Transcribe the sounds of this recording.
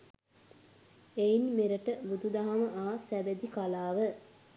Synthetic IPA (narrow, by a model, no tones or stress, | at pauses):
einmeɾəʈəbud̪ud̪aɦaməʔaːsæbæd̪ikalaːʋə